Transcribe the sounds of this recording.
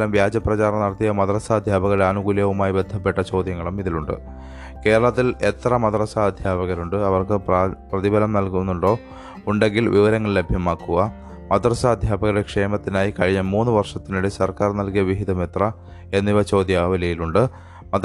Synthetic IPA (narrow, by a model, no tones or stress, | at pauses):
ɐmʋjaːd͡ʑɐprɐt͡ɕaːrɐnɐɽɐt̪ːijɐmɐd̪rɐsaːd̪ʱjaːbɐɣɐɭaːnuɣuljɐʋumaːjibe̞d̪ʱːɐpːe̞ʈːɐt͡ɕo̞ːd̪jɐŋːɐɭumiðiluɳɖɨ̰ | ke̞ːɾɐɭɐt̪̬ːile̞t̪rɐmɐd̪rɐsaːd̪ʱjaːbɐɣɐɾuɳɖɨɐʋɐrkɨprɐðibʱɐlɐmnɐlkunːuɳɖo̞ː | uɳɖe̞ŋɡilʋiʋɐɾɐŋːɐɭle̞bʱjɐmaːkːuɣɐ | mɐd̪rɐsaːd̪ʱjaːbɐɣɐɾɽekʂe̞ːmɐt̪ːinaːjikɐɻiɲːɐmuːnːɨʋɐrʂɐt̪ːinuɽesɐrkaːrnɐlkijɐʋiɦid̪ɐme̞t̪rɐ | e̞nːiʋɐt͡ɕo̞ːd̪jaːʋɐlɐjiluɳɖɨ | mɐd̪